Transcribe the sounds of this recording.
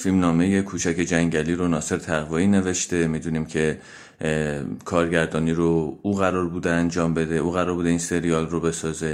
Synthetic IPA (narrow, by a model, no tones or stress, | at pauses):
filmnɒːme̞je̞kʰuːt͡ʃʰæke̞d͡ʒæŋɟæliːɾonɒːse̞ɾt̪ʰæɣvɒːiːne̞ve̞ʃt̪e̞miːd̪uniːmcʰe̞ | kʰɒːɾɟæɾd̪ɒːniːɾouːɣæɾɒːɾbuːd̪eænd͡ʒɒːmbe̞d̪e̞ʔuːɣæɾɒːɾbuːd̪einse̞ɾijɒːlrobe̞sɒːze̞